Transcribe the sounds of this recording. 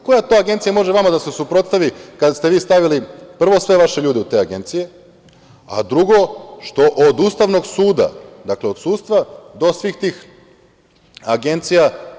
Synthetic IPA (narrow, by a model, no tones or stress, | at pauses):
ko̞jat̪oaɡe̞nt̪sijamo̞ʒeʋamad̪ase̞supɾo̞t̪st̪aʋikad̪st̪eʋiːst̪aʋilipr̩ʋo̞sʋe̞ʋaʃeʎuːd̪eut̪e̞ːaɡe̞nt̪sije̞ | a̰d̪ɾuɡo̞ʃt̪o̞ʔod̪uːst̪aʋno̞ɡsuːd̪a̰d̪akleod̪suːt̪st̪ʋad̪o̞sʋiːxt̪iːx | aɡe̞nt̪sija